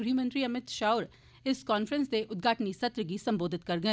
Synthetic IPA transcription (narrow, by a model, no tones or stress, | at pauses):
ɾʰimə̃nt̪ɾiɐmɪt̪ʃaːʊɾ | ɪskaːnfɾə̃nsd̪eʔʊd̪̚ɡʱaːʈnisɐt̪ɾək̬isɐ̃mboːd̪ʱɪt̪kɐɾɡɐɛ̃